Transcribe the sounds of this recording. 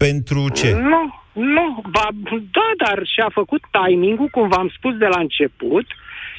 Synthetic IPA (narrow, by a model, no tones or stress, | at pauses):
pe̞nt̪ɾut͡ʃenunuvad̪ad̪arʃiafəkut̪ːajmiŋɡukumvamspusd̪e̞laɨnt͡ʃe̞put̪